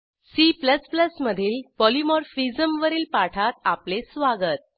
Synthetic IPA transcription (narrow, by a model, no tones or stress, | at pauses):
sipləspləsməd̪ʱiːlpɔlimɔɾfizəmʋəɾiːlpaʈʰat̪aplesʋaɡət̪̚